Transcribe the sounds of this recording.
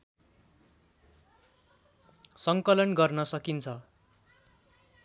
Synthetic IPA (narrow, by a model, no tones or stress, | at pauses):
sʌŋkʌlʌnɡʌrnʌsʌkint͡sʰʌ